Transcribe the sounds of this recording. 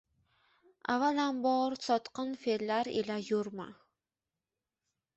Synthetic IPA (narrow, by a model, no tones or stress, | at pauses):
a̰valambɔɾsɒt̪qɑnfelːaɾḛlajuɾma̰